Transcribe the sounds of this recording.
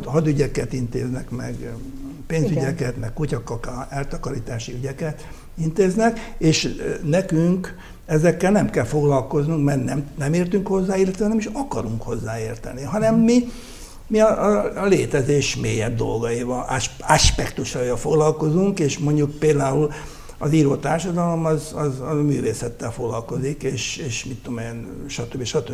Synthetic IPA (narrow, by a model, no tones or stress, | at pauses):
ɦɒd̪yɟɛkɛt̪int̪ḛːznɛkmɛ̰ɡpeːnzyɟɛkɛt̪mɛkkucɒkːɒkɛlt̪ɒkɒɾiːt̪aːʃiyɟɛkɛt̪ | int̪eːznɛkeːʃnɛkyŋk | ɛzɛkːɛlnɛmkɛlfo̞ɡlɒlko̞znuŋkmɛrnɛmnɛmeːrt̪yŋkho̞zːaːilːɛt̪ɛɒnimiʃɒkɒɾuŋkho̞zːaːeːrt̪ɛ̰niɦɒnɛmːi | miɒʔːleːt̪ɛzeːʃmḛːjɛb̚d̪o̞̰lɡɒivɒlɒʃpɛkt̪uʃɒjɒlfoɡlɒlko̞zuŋkeːʃmo̞ɲɟuk̚peːld̪aːul | ɒziːɾoːt̪aːrʃɒd̪ɒlo̞mɒzɒzmy̰ːveːsɛt̪ːɛlfoɡlɒlko̞zikeːʃeːʃmit̪ːomenʃɒt̪øbiʃɒt̪øb